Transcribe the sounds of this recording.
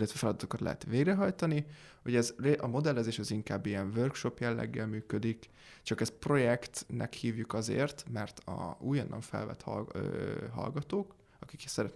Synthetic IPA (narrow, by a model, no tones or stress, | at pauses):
lːɛt̪ʋɛfɛlɒd̪ɒt̪okɒt̪lɛ̰ɛ̰t̪ʋeːɡrɛɦɒjt̪ɒniho̞ɟɛzreʔɒmo̞d̪ɛlːɛzeːʃɛziŋkaːbːijɛɱvørkʃo̞pjɛlːɛ̰ɡːɛlmyːkød̪ik | t͡ʃɒkɛspro̞jɛkt̪nʔɛ̰khiːvjukɒzḛːrt̪mɛrt̪ʰɒ̰uːjonːʔɒ̰ɱfɛ̰lvɛ̰t̪hɒøɦɒ̰lɡɒt̪oːk | ɒki̥ksɛɾɛt̪